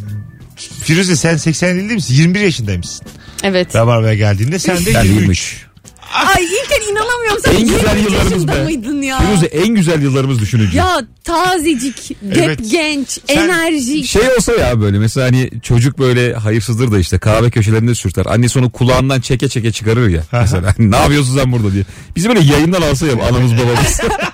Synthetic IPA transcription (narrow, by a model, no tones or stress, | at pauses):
bʰiɾyzɛsænsɛcsænilʲd̪ɛjmisinjiɾmibiɾjaʃɯnd̪ajmisi̥nɛvɛt̪ɛvaɾvajaɟælʲd̪iːnd̪ɛsænd̪ɛimɯʃ | ajilʲcʰæninanamɯjoɾmsænɟyzælʲjɯlˠːaɾɯmɯzd̪majd̪ɯnjabiɾyzɛʔænɟyzælʲjɯlˠːaɾɯmɯzd̪yʃynyd͡ʒjat̪ʰaːzid͡ʒicd̪ɛpɟɛnt͡ʃenæɾʒiʃejo̞lˠsajabø̞jlʲɛmɛselʲaːɦanit͡ʃʰo̞d͡ʒuk̚bø̞jlʲɛɦajɯɾs̬ɯzlˠɯɾd̪aiʃt̪ʰɛkʰaːvɛcʰø̞ʃ̬elʲeɾind̪ɛsyɾt̪ʰa̰ɾʔa̰nːɛso̞nukʰulˠaːnd̪ant͡ʃʰɛcɛt͡ʃʰɛcɛt͡ʃʰɯkaɾɯɾja̰mɛselʲaːnnaːvijos̬unsaænbuɾd̪ad̪ijɛ | b̥izbølʲɛjajɯnd̪analˠs̬ajaa̰namɯzbabaɯz̥